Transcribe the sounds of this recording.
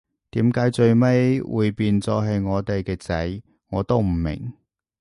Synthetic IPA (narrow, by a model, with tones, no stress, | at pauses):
t̪iː˨˥mkaː˨˥jt͡sɵ˧ɥme˥jwṵː˨˧jpiː˧nt͡sɔː˧ɦɐ˨˧jŋɔː˨˧t̪e˨jkɛː˧t͡sɐ˨˥j | ŋɔː˨˧t̪o˥wm̩˨˩mɪ̰˨˩ŋ